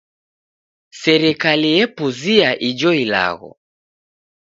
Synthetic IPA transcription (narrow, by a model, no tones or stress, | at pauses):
sɛɾɛkalijɛpuziaʔid͡ʒɔila̰ɣɔ̰